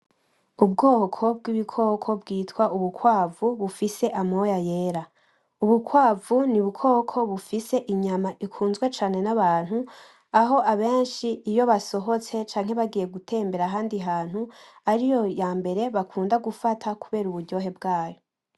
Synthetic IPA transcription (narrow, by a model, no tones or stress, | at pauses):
ub̚ɡo̞ːkʰo̞bɡiβikʰo̞kʰo̞bɡiːtwaʔuβukwaːvuβufise̞ʔamojajeɾa | uβukwaːvuniβukʰo̞ːkʰo̞βufise̞ʔiɲamaʔikʰuːnzɡwe̞t͡ʃaːne̞naβaːn̥hu | aɦo̞ʔaβe̞ːnʃiːjo̞βaso̞ɦo̞t͡se̞t͡ʃaːŋ̥he̞βaɡije̞ɡutʰe̞ːmbe̞ɾaɦaːndiɦaːn̥huaɾijo̞jaːmbe̞ɾe̞βakʰuːndaɡufatʰakuβe̞ːɾuβuɾɟo̞ːɦe̞bɡaːjo